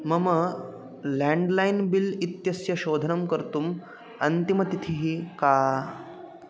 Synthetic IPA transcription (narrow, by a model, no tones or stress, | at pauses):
mɐmə | lɛ̃ɳɖlajnbilit̪jɐsjɐɕoːd̪ʱənɐmkəɾt̪uːm | ɐnt̪imɐt̪it̪ʰiɦika